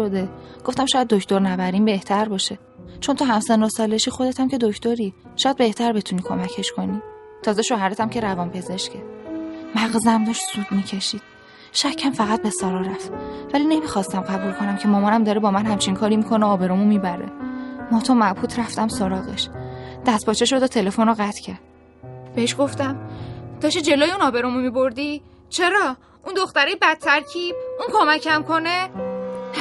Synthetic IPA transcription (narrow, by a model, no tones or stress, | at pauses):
od̪eɡ̥oft̪æmʃɔːjæd̪̚ːocʰt̪o̞ɾnæbæɾiːnbe̞ht̪ʰæɾbɒːʃe | t͡ʃʰo̞nt̪ʰoɦæmsenosɒːleʃiːxod̪et̪ʰæmcʲʰe̞d̪ocʰt̪o̞ɾi | ʃɔjæd̪̚be̞ht̪ʰæɾbe̞t̪ʰunikʰomæcʰe̞ʃkʰo̞niː | t̪ʰɒːzeʃohæɾet̪ʰæmcʲʰe̞ɾævɒːnpʰe̞ze̞ʃcʰemæɣzæmbuʃsud̪miːcʰe̞ʃiːd̪̥ | ʃæcʰːæmfæɣæt̪̚be̞sɒːɾɒːɾæft̪væline̞mixɒst̪æmɢæbulkʰo̞næmcʰe̞mɒːmɒːnæmd̪ɒːɾebɒːmænhæmt͡ʃʰiŋkʰɒːɾimikʰoneɒːbe̞ɾomumibæɾḛmɒːt̪ʰɒːmæbhuːt̪ʰɾæft̪æmsoɾɒːɣḛʃd̪̥æst̪̚pɒːt͡ʃʰeʃod̪oːt̪ʰe̞le̞fonɔɢæt̪ʰcʰæɾd̪̥ | b̥eeʃɡo̞ft̪æmd̪̥ɒːʃed͡ʒeloːjeunɒːbe̞ɾomumibo̞ɾd̪i | t͡ʃʰe̞ɾɒː | ʔund̪oxt̪æɾɒːjebæt̪̚t̪ʰːæɾcʰib̥̚unkʰomæcʰæmkʰo̞ne